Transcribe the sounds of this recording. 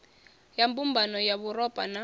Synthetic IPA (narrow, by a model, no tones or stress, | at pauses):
jambumbʱanɔjaβurɔpʼana